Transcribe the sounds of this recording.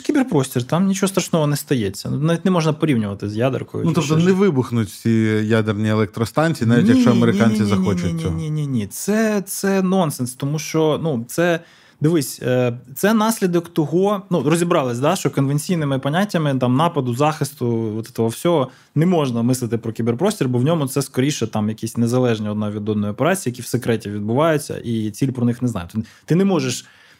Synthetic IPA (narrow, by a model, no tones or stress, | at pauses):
kʲibɪrpɾɔsʲtʲirt̪ɑmnʲit͡ʃɔɦɔst̪ɾɐʃnɔɦɔnɛst̪ɐjɛt͡sʲːɐ̰nunɑʋʲitʲnɛmɔʒnɐpɔɾʲiwnʲʊʋɐt̪ɪzʲjad̪ɪ̰rkɔ̰jʊ̰nut̪ɔpt̪ɔnɛʋɪbʊxnʊtʲfsʲijad̪ernʲielˠɛk̚t̪ɾɔst̪ɑnʲt͡sʲiːnaʋʲittʲjɐkʃt͡ʃɔɐmeɾɪkanʲt͡sʲizʲɐxʲɔnt͡ʃʊnʲsiɔɦʲinʲinʲit̪sɛt̪sɛnɔnsɛnst̪ɔmuʃt͡ʃɔnut̪sɛ | d̪ɪʋɪsʲt̪sɛnɑsʲlʲid̪ɔkt̪ɔɦɔnurɔzʲibɾɑlˠɪsʲd̪ɑʃt͡ʃɔkɔnʋenʲt͡sʲijnɪmɪpɐnʲatʲːɐmɪt̪ɑmnɑpɐd̪ʊzɑxɪst̪ʊɔt̪ɛ̥t̪ɔɦɔwsʲɔɦɔ | nɛmɔʒnɐmɪsˠɨɪt̪ɪpɾɔkʲiberpɾɔsʲtʲirbɔwnʲɔmʊt̪sɛskɔɾʲiʃɛt̪ɑmjɐkʲisʲnezɐlˠɛʒnʲiɔd̪nɑʋʲid̪ɔd̪nɔjɔpeɾɑt͡sʲijːjɐkʲiwsekɾɛtʲiʋʲid̪̚bʊʋɑjʊt͡sʲːɐ̰ʔit͡sʲilʲpɾɔnɪxnɛznɑ̰jʊt̪t̪ɪnɛmɔʒeʃ